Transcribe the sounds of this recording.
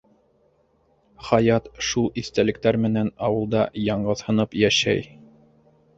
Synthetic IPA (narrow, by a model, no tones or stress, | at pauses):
χɑjɑt̪ʃulˠiθt̪ælɘ̆k̚t̪æɾmɘ̆nænɑwɤ̆lˠd̪ɑjɑɴɢɤðhɤ̆nɤpjæʃæ̰j